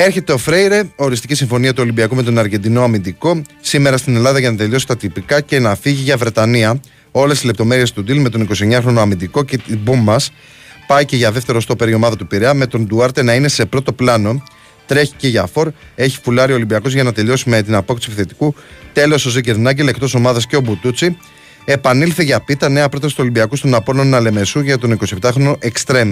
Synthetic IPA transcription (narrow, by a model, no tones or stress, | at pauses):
e̞ɾçe̞t̪e̞o̞fɾe̞jɾe̞o̞ɾist̪icisiɱfo̞niɐt̪uo̞limbiɐkume̞t̪o̞nɐɾʝe̞nd̪ino̞ɐmind̪iko̞sime̞ɾɐst̪ine̞lɐðɐʝɐnɐt̪eʎo̞si̥t̪ɐt̪ipikɐce̞nɐfiʝiʝɐvɾe̞t̪ɐniɐ | o̞lest̪izle̞p̚t̪o̞me̞ɾie̞st̪ud̪ilme̞t̪o̞niko̞sie̞ɲɐxɾo̞no̞ɐmind̪iko̞cet̪ibumɐs | pɐice̞ʝɐðeft̪e̞ɾo̞st̪o̞pe̞ɾio̞mɐðɐt̪upiɾeɐme̞t̪o̞nd̪uɐɾt̪e̞nɐine̞se̞pɾo̞t̪o̞plɐno̞ | t̪ɾe̞çi̥ce̞ʝɐfo̞ɾe̞çi̥fulɐɾiolimbiɐko̞zʝɐnɐt̪e̞ʎo̞simet̪inɐpo̞kt̪sifiθe̞t̪i̥kut̪e̞lo̞so̞ziceɾnɐɲɟe̞le̞kt̪o̞so̞mɐðɐsceo̞but̪ut͡si | e̞pɐnilθiʝɐpit̪ɐne̞ɐpɾo̞t̪ɐsi̥t̪uo̞limbiɐkust̪onɐpo̞nonɐle̞me̞suʝɐt̪o̞niko̞siept̪ɐxɾo̞no̞ʔe̞kst̪ɾe̞mi